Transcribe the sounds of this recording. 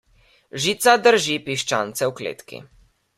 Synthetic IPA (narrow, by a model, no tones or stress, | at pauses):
ʒiːt̪sad̪əɾʒiːpiʃt͡ʃa̰ːnt̪sɛwklḛːt̪kḭ